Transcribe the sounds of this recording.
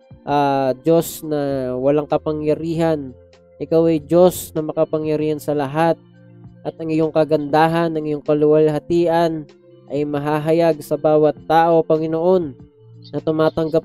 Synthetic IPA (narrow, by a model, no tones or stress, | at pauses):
ʔad͡ʒo̞snɐwɐlaŋkɐpɐŋjɐɾiːɦɐn | ʔɪkawɐjd͡ʒo̞snɐmɐkɐpɐŋjɐɾiːhɐnsɐlɐɦat̪̚ | ʔɐt̪ʔɐŋɪjoŋkɐɡɐnd̪aːɦɐnɐŋɪjoŋkɐlʊwalɦɐt̪iːʔɐn | ʔɐjmɐɦaːɦɐjaɡ̚sɐbaːwɐt̪ːaːʔo̞pɐŋɪnoʔo̞nː | ɐt̪ʊmaːt̪ɐŋɡap̚